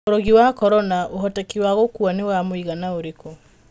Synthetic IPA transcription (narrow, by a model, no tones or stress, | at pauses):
oɾoɣiwakɔɾɔnaʔoɦɔtɛkiwaɣokuanewamoiɣanaoɾeko